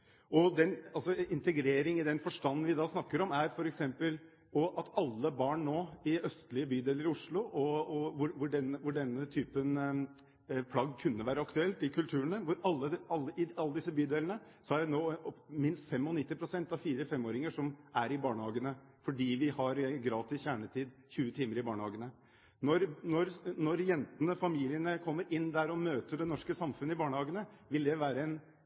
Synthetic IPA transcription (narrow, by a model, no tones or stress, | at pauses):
ɔd̪ɛnɑlsɔɪnt̪əɡɾeːɾɪŋɪd̪ɛnfɔʂʈɑnːnʋɪd̪ɑːsnɑkːəɾɔmæɾfɔɾɛksɛmpəl | ɔʔɑt̪ɑlːəbɑːɳnoːɪœst̪lɪəbyːd̪eːləɾɪʊʂɭʊɔɔʋʊʋʊɖɛnəʋʊɖɛnːət̪ʰyːpən | pʰlɑɡkʰʉnːəʋæːɾəɑkt̪ʉɛlt̪ɪkʰʉlt̪ʰʉːɾənəʋʊɾɑlːəɑlːəɪɑlːəd̪ɪs̬əbyːd̪eːlənəsɔhæɖɛnoːmɪnst̪fɛmɔnɪt̪ːɪpʰɾʊsɛnt̪ɑʋfiːɾəfɛmːoːɾɪŋəʂɔmæɾɪbɑːɳəhɑːɡənə | fɔɖiːʋɪhɑɾɡɾɑːt̪ɪsçæːɳət̪ʰiːd̪çʉːət̪ʰiːməɾɪbɑːɳəhɑːɡənə | nɔɾnɔɾnɔɾjɛnt̪ənəfɑmiːlɪənəkʰɔmːəɾʔɪnːd̪æɾɔmøːt̪əɖ̪ɛnɔʂkəsɑmfʉnːəɪbɑːɳəhɑːɡənəʋɪld̪ɛʋæːɾəɛn